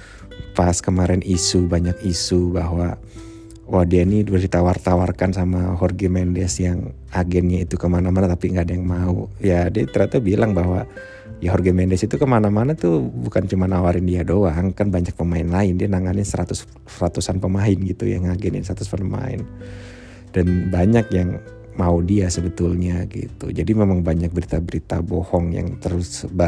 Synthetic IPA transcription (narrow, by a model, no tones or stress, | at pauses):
paskəmaɾɛnʔisubaɲakisubaɦwa | wahdianidualdit̪awart̪awarkansamaɦɔrɡemɛndɛsjaŋ | aɡɛnɲait̪ukəmanamanat̪apiŋɡaːdajaŋmaujadiat̪əɾat̪abilaŋbaɦwa | jaɦɔrɡɛmɛndɛsit̪ukəmanamanat̪ubukant͡ʃumanawaɾɪndiadoaŋkanbaɲak̚pəmaɪnlaɪndianaŋanɪnsəɾat̪ʊs | rat̪usanpəmaɪnɡit̪ṵja̰ŋaɡɛnɪ̰nsəɾat̪ʊspənəma̰ɪ̰n | d̥anbaɲakjaŋ | maudiasəbət̪ulɲaɡḭt̪ṵd͡ʒadimemaŋbaɲak̚bəɾit̪abəɾit̪a̰bohɔŋja̰ŋt̪əɾʊsba